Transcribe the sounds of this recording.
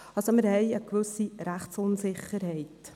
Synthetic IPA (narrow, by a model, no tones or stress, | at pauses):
ɑlsomɪɾhɛjəkʋɵsiɾæχtt͡sʊnsɪχːəɾhɛɪt